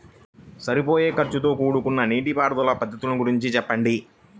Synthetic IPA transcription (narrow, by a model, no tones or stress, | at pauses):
sɐɾipo̞ːje̞ːkɐɾt͡ʃut̪o̞ːkuːɽukunːɐniːʈipaːɾd̪ɐlɐpɐd̪ʱːɐt̪ulɐnuɡuɾiɲt͡ʃit͡ʃɛpːɐɳɖi